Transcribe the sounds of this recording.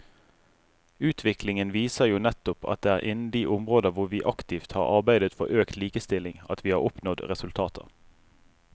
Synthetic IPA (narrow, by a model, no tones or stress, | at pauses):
ʉːt̪ʰʋɪklɪŋənʋiːsəʁjuːnɛt̪ʊpʰɑ̰t̪̚d̪eːæːʁʔɪnn̩d̪iːʔʊmʁoːd̪əʁʋʊʁʋiːʔɑkt̪iːft̪hɑ̰ːʁɑʁbæɪd̪ət̪fɔ̰ʁʔøːkt̪liːkəst̪ɪlɪŋɑt̪ʋiːhɑːʁʊpnɔd̪ʁɛsʉlt̪ʰɑːt̪ʰə̰ʁ